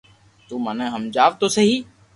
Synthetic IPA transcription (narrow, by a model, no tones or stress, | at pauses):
t̪uːmənẽːɦəmd͡ʒaːʋt̪oːsəɦiː